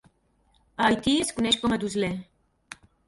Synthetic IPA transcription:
ajt̪ieskuneʃkomɐd̪uzle

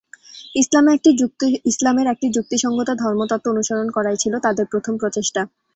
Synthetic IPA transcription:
islameɛk̚ʈid͡ʑ̚islameɾɛk̚ʈid͡ʑuk̚t̪iʃɔŋɡot̪od̪ʱɔɾmot̪ɔt̪ːoonuʃaɾonkɔɾajt͡ɕʰilot̪ad̪eɾpɾot̪ʰompɾot͡ɕeʃʈa

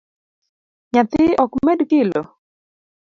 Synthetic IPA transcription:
ɲat̪ɪʔɔkmɛdkɪlo

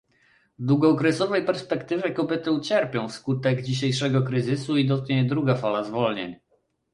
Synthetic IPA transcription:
vd̪wuɡɔkɾɛsɔvɛjpɛɾspɛkt̪ɘvʲjɛkɔbʲɛt̪ɘut͡ɕɛɾpʲjɔ̃w̃fskut̪ɛɡd͡ʑiɕ̬ejʂɛɡɔkɾɘzɘsuid̪ɔt̪̚kɲɛd̪ɾuɡafalazvɔlɲḛɲ

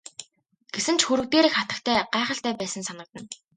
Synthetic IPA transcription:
ɡ̥esɘ̆nt͡ɕxuɾɵ̆kt̪eːɾeːxχat̪ə̆kt̪ʰæːɢaːχə̆ɬt̪æːpæːsə̆nsanə̆k̚t̪ə̆n

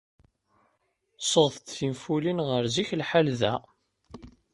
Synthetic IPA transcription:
sˤəʁθt̪θimfulinʁəɾziçlħalðæ̰

